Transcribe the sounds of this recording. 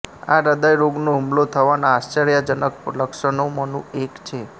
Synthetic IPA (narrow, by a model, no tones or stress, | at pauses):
a̰ɾəd̪ajɾoɡnoɦumlot̪ʰəʋanaast͡ʃeɾjad͡ʒənəkləkʃənomənṵ̃ekt͡ʃʰe